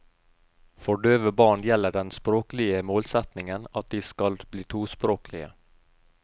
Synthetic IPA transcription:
fɔɖøːʋəbɑːɳjɛlːəɖɛnspɾoːklɪəmoːlsɛt̪nɪŋənɑt̪̚d̪ɪskɑlbliːt̪ʰuːspɾoːklɪ̰ə̰

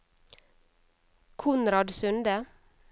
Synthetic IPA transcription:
kʰʊnɾɑd̪sʉnd̪ə

